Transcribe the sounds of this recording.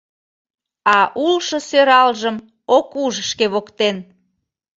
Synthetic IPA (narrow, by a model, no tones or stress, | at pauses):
ɑʔulʃə̆søɾɑlʒəm | okuʒʃkeβokt̪en